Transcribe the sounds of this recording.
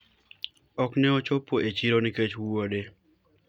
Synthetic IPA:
ɔknɛɔt͡ʃopːoʔet͡ʃiɾoniket͡ʃwuode

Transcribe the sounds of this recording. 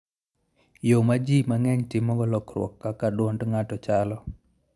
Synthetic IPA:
jomad͡ʒimaŋɛɲtɪmːɔɡɔlɔkɾwɔ̰kːakadwɔndŋatɔt͡ʃalɔ

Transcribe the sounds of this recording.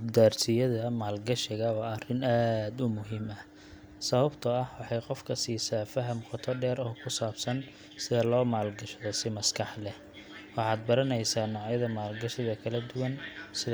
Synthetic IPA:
d̪aːrsɪjɐðɐmaːlɡɐʃɪɣɐwɑːɐrɪnaːd̪ʊmʊɦiːmɐ | sɐβɐbt̪ʰɐɐhwɑħɑjqɔfkʰɐsiːsaːfɐɦɐmqɔt̪ʰɔɖɛːɾɔːkʰʊsaːbsɐn | sɪðɐlɔːmaːlɡɐʃɐðɔsɪmɐskʰɑħlɛh | wɑħɑːd̪̚bɐɾɐnɛjsaːnːɑʕjɐðɐmaːlɡɐʃɪðɐkʰɐlɐd̪ʊwɐnsɪð

